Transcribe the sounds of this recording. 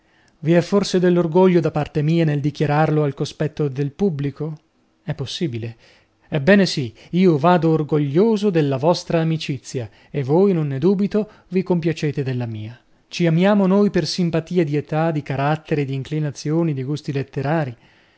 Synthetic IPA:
viɛfːorsed̪elːorɡoʎːod̪apːart̪emiːaneld̪ikjaɾarloalkospɛt̪ːod̪elpubːliko | ɛpːosːiːbile | ɛbːɛːnesi | iːovaːd̪oːrɡoʎːoːzod̪elːavɔst̪ɾaːmit͡ʃit̪sːja | evːojnonːed̪uːbit̪o | vikompjat͡ʃeːt̪ed̪elːamiːa | t͡ʃiamjaːmonoːjpersimpat̪iːed̪iet̪ad̪ikaɾat̪ːeɾed̪iːŋklinat̪sːjoːnid̪iɡust̪ilet̪ːeɾaːɾi

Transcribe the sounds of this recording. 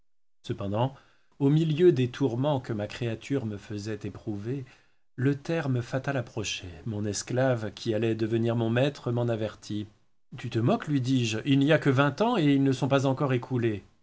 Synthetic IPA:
səpɑ̃d̪ɑ̃ | omiljød̪et̪ʰuʁmɑ̃kəmakχeat̪ʰyʁməfəzɛt̪epχuve | lət̪ɛʁməfat̪alapχɔʃɛmɔ̃nɛsklavkʲʰialɛd̪əvəniʁmɔ̃mɛt̪χəmɑ̃navɛʁt̪ʰi | t̪yt̪əmɔklɥid̪iʒilniakəvɛ̃t̪ɑ̃eilnəsɔ̃pazɑ̃kɔʁekʰule

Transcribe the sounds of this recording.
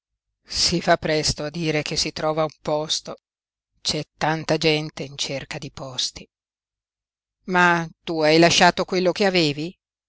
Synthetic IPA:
sifapːɾɛst̪oad̪ːiːɾek̟esːit̪ɾɔːvaumpɔst̪o | t͡ʃɛt̪ːant̪ad͡ʒɛnt̪eint͡ʃerkad̪ipɔst̪i | mat̪uajlaʃːaːt̪okwelːok̟eaveːvi

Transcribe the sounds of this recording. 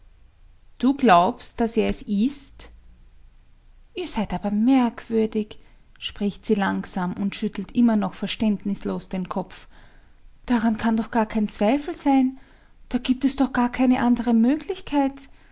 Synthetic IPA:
d̥uːɡlaʊpst̚d̥aseːɐɛsɪst | ʔiːɐzæɪtaːbɐmɛɐkʰv̥ʏɐdɪç | ʃpʁ̥ɪçtz̥iːlaŋsaːmʊntʃʏtl̩tʔɪmɐnɔxfɛɐʃtɛndnɪsloːsd̥eːnkʰɔp͡f | d̥aʁankʰandɔxɡ̥aːɐkʰɛɪnt͡sv̥aɪfl̩zaɪn | d̥aːɡiːp̚tɛsd̥ɔχɡ̥aːɐkʰaɪnəʔandəʁəmøːɡlɪçkʰaɪt

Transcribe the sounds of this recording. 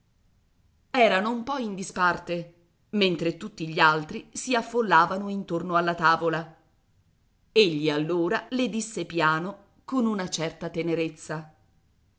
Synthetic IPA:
ɛːɾanoumpɔind̪ispart̪e | ment̪ɾet̪ut̪ːiʎːialt̪ɾisiafːolːaːvanoint̪ornoalːat̪aːvola | eʎːialːoːɾaled̪isːepjaːno | konunat͡ʃɛrt̪at̪eneɾet̪sːa

